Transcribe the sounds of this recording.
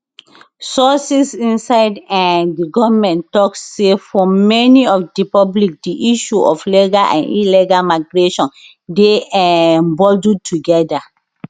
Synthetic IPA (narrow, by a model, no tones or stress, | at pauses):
sɔsisĩnsaɪdãndiɡɔvmɛ̃ntɔkssefɔmɛniɔfdipɔblik̚diʔiʃuʔɔflɛɡalʔã̰nilɛɡalmaɪɡɹeʃɔ̃n | deɛ̃ɛ̃mbɔldud̚tuɡɛda